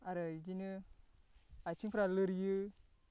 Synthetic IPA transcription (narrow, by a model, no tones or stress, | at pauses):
aɾəd͡ʒini | at͡ʃipɾaləɾji